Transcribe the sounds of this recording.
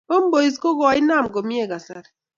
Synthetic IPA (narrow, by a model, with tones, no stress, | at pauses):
o˦m˦bo˨i˨z̬ko˦ɡɔ˨a˨˦i˦na˦˨mɡo˨mi˦e˦˨ɡa˨sa̰˦ɾɛ˨